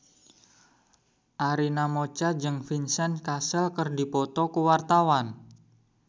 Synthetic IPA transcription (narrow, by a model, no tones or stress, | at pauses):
ʔaɾinamot͡ʃad͡ʒɨŋfinsɛnkasəlkərdi̤pɔt̪ɔkuwart̪awan